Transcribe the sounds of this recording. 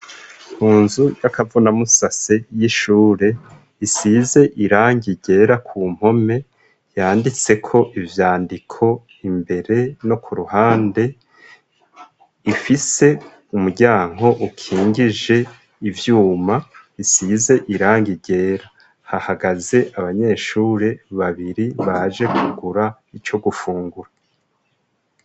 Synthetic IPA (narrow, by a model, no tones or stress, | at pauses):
huːnzujakavunamusase̞jiʃuːɾe̞ | isize̞ʔiɾaːŋɡiɟe̞ːɾakʰuːm̥ho̞me̞ | jaːndit͡se̞kʰo̞ʔivjaːndikʰo̞ | imbe̞ɾe̞no̞kʰuɾuhaːnde̞ | ifise̞ | umuɟaːŋɦo̞ʔukʰiːŋɡiʒe̞ | ivjuːma | isize̞ʔiɾaːŋɡiɟe̞ːɾa | hahaɡaze̞ʔaβaɲe̞ːʃuːɾe̞βaβiɾiβaʒe̞kuɡuɾa | it͡ʃo̞ɡufuːŋɡuɾa